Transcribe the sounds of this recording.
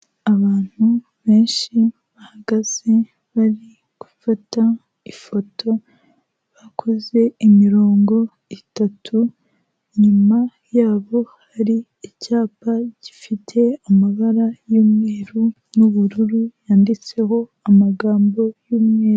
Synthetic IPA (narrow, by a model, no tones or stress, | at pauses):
aβaːn̥hu | βe̞ːnʃi | βahaɡaz̥e̞ | βaɾi | ɡ̥ufata | ifo̞tʰo̞ | βakʰo̞ze̞imiɾo̞ːŋɡo̞ | itatʰu | ɲuma | jaːβo̞haɾiː | caːpaɟ̥ifitʰe̞amaβaɾajuːmŋeɾu | nuβuɾuɾujaːndit͡se̞ho̞amaɡaːmbo̞juːmŋeːɾ